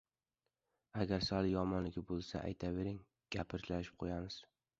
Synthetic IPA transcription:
aɡʲaɾsalɪjɒmɒnlɪɡʲɪbolˠsa̰ʔa̰jt̪ʰave̞ɾɪŋ | ɡ̥ʲapʰɪɾt͡ʃ̪laʃɪ̥p̚qʰojamɪz̥

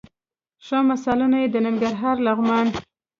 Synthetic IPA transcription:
ʃamasɑlunajed̪ənaŋɡaɾɦɑɾlaɣmɑn

